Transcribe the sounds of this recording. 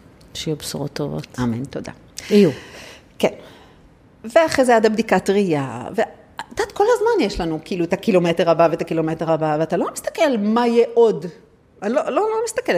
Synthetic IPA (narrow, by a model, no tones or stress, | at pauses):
ʃejubsuʁot̪ːovo̰tamento̞da̰ | iu | ken | veaχʁezeadabd̪ikatʁija̰ve | t̪ad̪̥ko̞lhazmanjeʃlanukiiːluet̪akilo̞meteʁabavet̪akilo̞meteʁabaveatalo̞mist̪ḁke̞lmajeʔod | alololomist̪akel